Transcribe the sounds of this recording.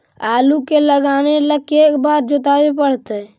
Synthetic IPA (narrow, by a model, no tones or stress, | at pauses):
aːlukeləɡaːneləkeːkbaːɾd͡ʒot̪aːwepəɽ̤t̪e